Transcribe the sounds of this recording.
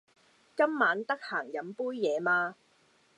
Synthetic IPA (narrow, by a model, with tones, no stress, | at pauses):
kɐ˥mːaː˨˧˥nt̪ɐ˥k̚haː˨˩ŋjɐ˨˥mpuː˥jːɛː˨˧maː˧